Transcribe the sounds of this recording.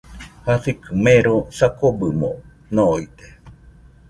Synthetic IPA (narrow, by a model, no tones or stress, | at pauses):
hasikɨmeɾosakobɨmõ̰ | noit̪e